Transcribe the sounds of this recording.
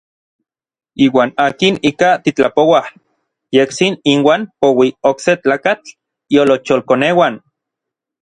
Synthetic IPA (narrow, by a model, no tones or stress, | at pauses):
iːwaːnaːkinikat̪it͡ɬapowah | jeksininwaːnpowiokset͡ɬaːkat͡ɬ | iolot͡ʃolkonewan